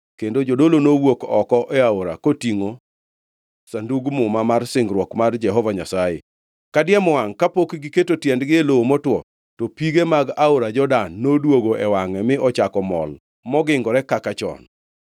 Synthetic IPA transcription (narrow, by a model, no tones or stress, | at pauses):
kendod͡ʒodolonowokɔkɔʔɛaoɾa̰kotiŋo | sanduɡmʊmamarsɪŋɡɾwɔkmard͡ʒɛɦɔvaɲa̰sajḛ | kadɪjɛmɔaŋkapokɡɪketotjɛndɡɪeloomotwɔ | tɔpiɡemaɡaoɾad͡ʒɔdanːodwoɡoʔɛwaŋɛmɪɔt͡ʃakɔmɔ̰l | mɔɡɪŋɡɔɾɛkakat͡ʃɔ̰n